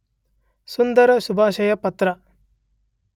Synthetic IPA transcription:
sund̪ɐɾɐʃubʱaːʃɐjɐpɐt̪ɾɐ

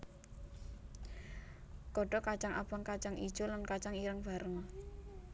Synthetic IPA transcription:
kɔɖ̥ɔ̤kat͡ʃaŋa̰b̥aŋkat͡ʃaŋʔḭd̥ʒ̥o̤lankat͡ʃaŋiɾəŋb̥a̤ɾəŋɔ

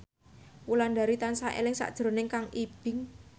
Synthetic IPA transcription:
wulandaɾit̪ansaʔḛlɪŋsa̰ʔd̥ʒ̥ɾo̤nɪŋkaŋib̥ɪ̤ŋ

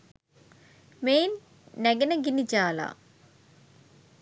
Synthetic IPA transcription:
meːnː | æɡenəɡinid͡ʒaːla̰

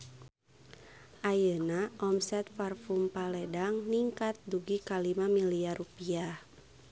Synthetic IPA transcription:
ʔajənaʔɔmsɛt̪̚farfumpalɛdaŋniŋkat̪̚duɡikalimamiliarupiah

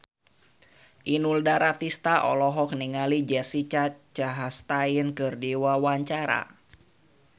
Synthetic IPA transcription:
ʔinuldaɾat̪ist̪aʔɔ̰lɔɦɔkniŋalid͡ʒɛsit͡ʃat͡ʃaɦast̪ainkɨrdiwawaɲt͡ʃaɾa̰

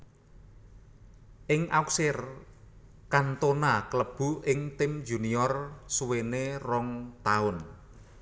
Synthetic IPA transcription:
ʔɪŋʔa̰uksɪr | kant̪onakələb̥ṳɪŋt̪ɪmd͡ʒṳniɔrsuwenerɔŋt̪aʊn

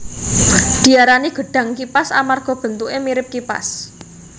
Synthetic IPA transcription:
d̪̥i̤aɾaniɡ̥ə̤ɖ̥ä̤ŋkipasamarɡ̥ɔ̤b̥ə̤nt̪uʔemiɾɪp̚kipa̰s

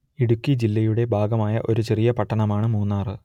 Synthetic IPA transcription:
iɽukːid͡ʑilːɐjuɽe̞bʱaːɡɐmaːjɐʔo̞ɾut͡ɕe̞rijɐpɐʈːɐɳɐmaːɳɨmuːnːaːrɨ

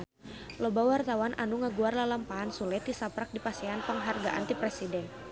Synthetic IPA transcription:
lɔbawart̪awanʔa̰nuŋəɡuarlalampaansulɛt̪isapɾak̚dipasiɦanpəŋɦarɡaʔa̰nt̪ipɾɛsidɛn

